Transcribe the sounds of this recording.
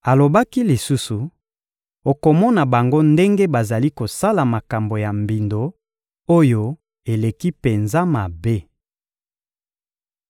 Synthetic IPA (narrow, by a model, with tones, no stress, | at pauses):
a˨lo˨ba˦ki˦li˨su˦su˨ | o˨ko˨mɔ˦na˨ba˨ŋɡo˦nde˦ŋɡe˦ba˨za˨li˦ko˨sa˦la˨ma˨ka˨mbo˨ja˨mbi˨ndo˨ | o˦jo˦ | e˨le˨ki˦pe˨nza˦ma˨be˦